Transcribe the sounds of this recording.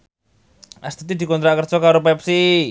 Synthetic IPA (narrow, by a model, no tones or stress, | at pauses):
ʔast̪it̪id̪̥i̤kɔnt̪ɾaʔkərd̥ʒ̥ɔkaɾopɛp̚si